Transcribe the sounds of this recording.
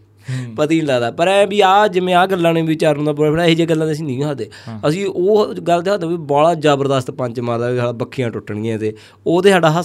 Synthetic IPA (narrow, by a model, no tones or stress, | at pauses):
pət̪iːnlaːd̪aːpəɾɛːbiːaːd͡ʒɪmẽːaːɡəlːãːnẽːbiːt͡ʃaːɾnõːd̪aːbʊɽaːpʰːɽaːiːd͡ʒeːɡəlːãːd̪eːəs̬ĩːnĩːãːd̪eːəsĩːʔoːɡəlt̪eːɦaːd̪ẽːbiːbɔːɽaːd͡ʒaːbəɾd̪əst̪pə̃ɲt͡ʃmaːɾd̪aːiːsaːɖaːbəkʰːijãːʈʊʈːɳĩːãːt̪eː | oːd̪eːsaːɖaːɦ